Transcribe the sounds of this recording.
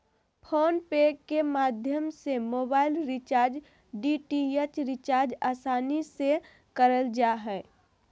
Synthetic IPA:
pʰoːnpeɡkːemaːd̪ʱjəmsemoːbaːɪlɾɪt͡ʃaːɾd͡ʒ | ɖiʈiet͡ʃɾɪt͡ʃaːɾd͡ʒaːsaːnise | kəɾəld͡ʒaɦɛː

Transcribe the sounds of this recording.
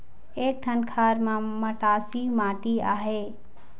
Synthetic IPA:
eːk̚ʈʰənkʰaːɾmãməʈaːsimãːʈiaːɦeː

